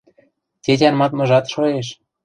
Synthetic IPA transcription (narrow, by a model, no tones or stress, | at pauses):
tʲetʲɑnmɑt̪mɤ̆ʒɑt̪ʃoeʃ